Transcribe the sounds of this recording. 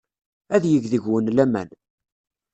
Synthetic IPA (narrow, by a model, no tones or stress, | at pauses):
æðjəʝðəʝwənlæmæ̰n